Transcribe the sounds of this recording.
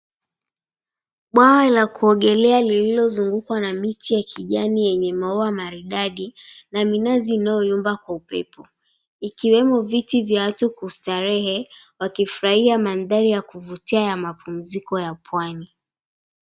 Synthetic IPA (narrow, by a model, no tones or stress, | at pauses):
ɓwawalakuɔɠɛlɛalililɔzuŋɡukwanamitʰijakʰiʄanijɛɲɛmaɔamaɾiɗaɗinaminaziːnajɔjumbakwaupɛ̰pʰɔ | ikiwɛmɔvitivjawatukustaɾɛhɛ | wakifuɾahiamanðaɾijakuvutiajamapʰum̩zikɔjapʰwani